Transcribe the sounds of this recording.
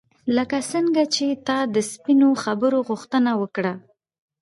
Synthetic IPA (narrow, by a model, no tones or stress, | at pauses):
ləkasəŋɡat͡ʃet̪ɑd̪əspinoxabəɾoɣʊxt̪ənawəkɽa